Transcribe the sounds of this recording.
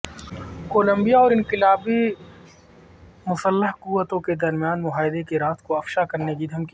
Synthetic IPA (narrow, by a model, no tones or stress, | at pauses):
koːlə̃mbijaɔːɾɪnqɪlaːbi | mʊsəlːəɦkuːʋːət̪õked̪ɐɾmijaːnmʊɦaːɪd̪ekeɾaːt̪ʰkoɐfʃakɐɾnek̬id̪ʱɐmki